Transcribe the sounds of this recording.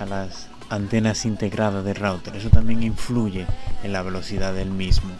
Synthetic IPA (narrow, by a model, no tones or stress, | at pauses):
alas | ant̪e̞nasint̪e̞ɣɾaðaðerawt̪oɾe̞sot̪ambje̞ŋiɱfluʝe̞enlaβ̞e̞lo̞θiðaðelmizmo